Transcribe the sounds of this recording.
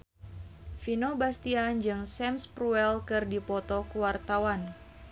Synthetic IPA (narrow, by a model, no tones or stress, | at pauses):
finobast̪iand͡ʒɨŋsɛmspɾuɛlkɨrdipɔt̪ɔkuwart̪awan